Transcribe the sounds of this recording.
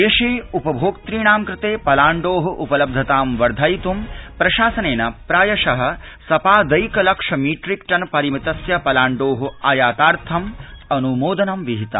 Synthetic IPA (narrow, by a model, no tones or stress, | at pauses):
eʂeːupɐbʱoːɡt̪ɾiːɳaːmkɾɪt̪eːpɐlaːɳɖoːɦɐʔupɐlɐb̚d̪ʱɐt̪aːmʋɐɾd̪ʱaːjt̪umpɾɐʃaːsɐneːnɐpɾaːjɐʂɐɦɐ̆ | sɐpaːd̪ɐjkɐlɐkʂɐmiːʈɾikʈɐnpɐɾimit̪ɐsjɐpɐlaːɳɖoːɦuaːjaːt̪aːɾt̪ʰɐmɐnumoːd̪ɐnɐmʋiɦit̪a̰